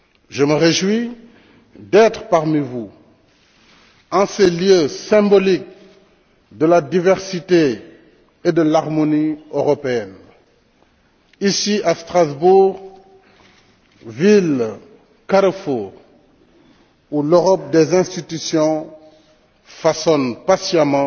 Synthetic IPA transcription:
ʒəməʁeʒwi | d̪ɛt̪χəpaʁmivu | ɑ̃sɛljøsɛ̃bɔlik̚ | d̪əlad̪ivɛʁsit̪e | ed̪əlaʁmoniøʁɔpeɛn | isiast̪ʁasbuːʁ | vil | kaɾafuːʁ | uløʁɔp̚d̪ɛzɛ̃st̪it̪ysjɔ̃ | fasɔnpasjamɑ̃

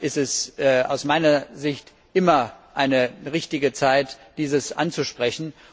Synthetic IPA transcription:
ʔɪstɛsːʔa̰ʊsmaɪnɐzɪçt | ʔɪmɐʔaɪnəʁɪçtɪɡət͡saɪtd̥iːzəsʔa̰nt͡suʃpʁ̥ɛçn̩

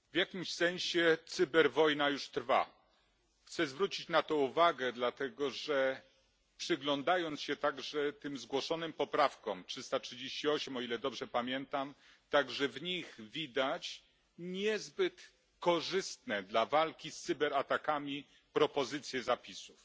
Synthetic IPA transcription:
vjakʲimɕsɛɲ̃ɕɛt̪sɘbɛɾvɔjnajuʂt̪ɾfa̰ | xt̪sɛzvɾut͡ɕit͡ɕnat̪ɔuvaɡɛd̪lat̪ɛɡɔʐɛ | pʂɘɡlɔnd̪ajɔnt̪sɕɛt̪aɡʐɛt̪ɘmzɡwɔʂɔnɘmpɔpɾafkɔ̰mtʂɘst̪atʂɘd͡ʑeɕt͡ɕiɔɕɛmɔilɛd̪ɔbʐɛpamʲjɛnt̪am | t̪aɡʐɛvɲiɣvʲid̪at͡ɕ | ɲɛzbɘt̪ | kɔʐɘst̪nɛd̪lavalkʲist̪sɨbɛɾat̪akamʲi | pɾɔpɔzɘt̪sʲjɛzapʲisuf

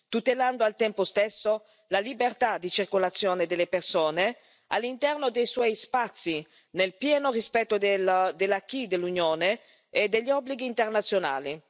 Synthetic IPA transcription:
t̪ut̪eland̪oalt̪ɛmpost̪ɛsːo | lalibert̪ad̪it͡ʃirkolat̪sːjoːned̪elepersoːne | a̰lːint̪ɛrnod̪ejswɔjspat̪sːi | nelpjɛːnorispɛt̪ːod̪eld̪elːakːid̪elunjoːneː | d̪eʎːɔbliɡiːnt̪ernat̪sːjona̰ːli

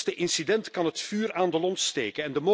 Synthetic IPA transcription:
təʔɪnsidɛntkɑnɦətfyːraːndəlɔntstḛːkənɛndəmo

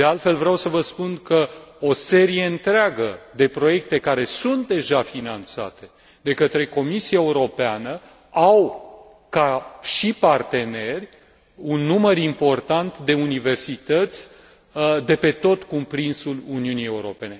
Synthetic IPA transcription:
d̪̥ealt̪fe̞lvɾeawsəvəspunkəo̞se̞ɾije̞ɨnt̪ɾeaɡəd̪e̞pɾo̞je̞k̚t̪e̞kaɾe̞sunt̪̚d̪e̞ʒafinant̪sa̰t̪e̞ | d̪e̞kət̪ɾe̞ko̞misiaeuɾo̞peanə | aw | kaʃipart̪e̞ne̞rʲ | unːuməɾimpo̞rt̪ant̪d̪e̞unive̞rsit̪ət̪sʲ | d̪e̞pe̞t̪o̞t̪kumpɾinsuluniunie̞uɾo̞̰pe̞ne̞

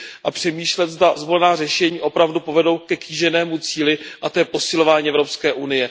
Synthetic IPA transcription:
ʔapr̥ɛmiːʃlɛt̪zdazvo̞lnaːr̝ɛʃɛɲiːʔo̞pɾavdupo̞vɛdo̞wkɛkɲiːʒɛnɛːmut͡siːlɪʔat̪ɛːpo̞sɪlo̞vaːɲiːɛvɾopskɛːʔunɪjɛ

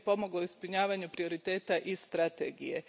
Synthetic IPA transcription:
po̞moɡloispuɲaːʋaɲupɾio̞ɾit̪eːt̪aʔist̪ɾat̪eɡije

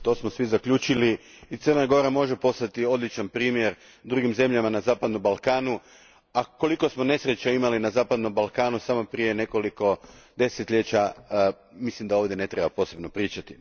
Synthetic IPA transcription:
t̪o̞ːsmosʋizakʎuːt͡ʃili | it̪ərnaɡo̞ɾamo̞ʒepo̞st̪at̪io̞d̪lit͡ʃanpɾiːmje̞ɾ | d̪ɾuɡimze̞mʎamanazaːpad̪nombalˠkaːnu | ako̞liko̞smo̞ne̞sɾet͡ɕaimalinazaːpad̪no̞mbalˠkaːnusamo̞pɾije̞ne̞ko̞liko̞d̪e̞set̪ʎe̞t͡ɕa | mislimd̪ao̞ːʋd̪je̞ne̞t̪ɾebapo̞ːse̞bno̞pɾiːt͡ʃat̪i

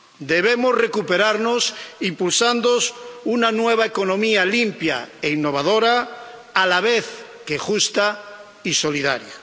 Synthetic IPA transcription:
d̪e̞β̞emo̞zre̞kupe̞ɾaɾnosimpulsand̪osunanwe̞β̞aeko̞nõ̞mialimpja̰einːo̞β̞aðoɾaːlaβ̞eθke̞xust̪a | iso̞liða̰ɾja

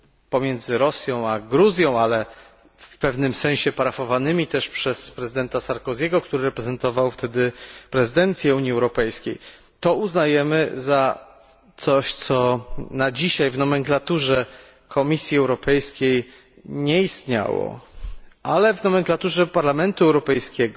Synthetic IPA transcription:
pɔmʲjɛnd̪zɘɾɔsʲjɔ̃w̃aɡɾuzʲjɔ̃w̃alɛ | fpɛvnɘmsɛ̃ɕɛpaɾafɔvanɘmʲit̪ɛʂpʂɛspɾɛzɨd̪ɛnt̪asaɾkɔzʲjɛɡɔkt̪uɾɘɾɛpɾɛzɛnt̪ɔvawft̪ɛd̪ɘpɾɛzɘd̪ɛnt̪sʲjɛuɲjiɛwɾɔpɛjskʲḛj | t̪ɔuznajɛmɘza | t̪sɔɕt̪sɔnad͡ʑiɕajvnɔmɛŋɡlat̪uʐɛ | kʰɔmʲisʲjiɛwɾɔpɛjskʲej | ɲɛist̪ɲa̰wɔ̰ | alɛvnɔmɛŋɡlat̪uʐɛpaɾlamɛnt̪uɛwɾɔpɛjskʲɛɡɔ

